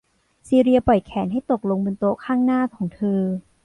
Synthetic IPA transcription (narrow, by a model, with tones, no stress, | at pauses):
siː˧ɾi˧ɐpɔ˨˩jkʰɛː˩˦nɦa˥˩jt̪o˨˩k̚lo˧ŋbɯ˧nt̪oː˧kʰaː˥˩ŋnaː˥˩kʰɔː˩˦ŋt̪ʰɯː˧